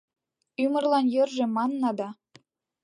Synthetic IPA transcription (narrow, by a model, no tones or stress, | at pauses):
ymɤ̆rlɑnjɤ̆rʒĕmɑnːɑd̪ɑ